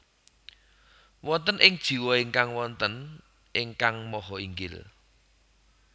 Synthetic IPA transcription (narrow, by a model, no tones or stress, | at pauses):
wɔnt̪ənʔɪŋd̥ʒ̥i̤wɔɪŋkaŋwɔnt̪ən | ʔɪŋkaŋmɔɦɔiŋɡɪ̰l